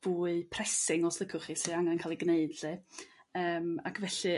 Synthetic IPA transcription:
v̥uːɨpʰrɛsɪŋɔslˠəkʰʊχisiaŋankʰaːlˠiɡneɨdlɨəːma̰kʰvɛɬɨ

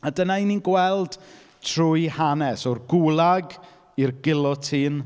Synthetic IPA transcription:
adənaininɡwɛlˠd̥ | tʰrʊjhanɛsɔrɡulˠaɡ | irɡɪlˠɔtʰin

